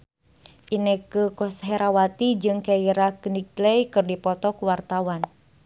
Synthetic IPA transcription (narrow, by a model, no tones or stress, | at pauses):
ʔinɛkəkɔsɦɛɾawat̪id͡ʒɨŋkaiɾakənik̚lejkɨrdipɔt̪ɔkuwart̪awan